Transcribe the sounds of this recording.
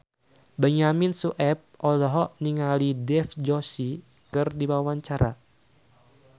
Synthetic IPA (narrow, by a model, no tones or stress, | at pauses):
bɛɲaminsuʔɛp̚ʔɔlɔɦɔʔniŋalidɛfd͡ʒɔsi | kɨrdiwawaɲt͡ʃaɾʔa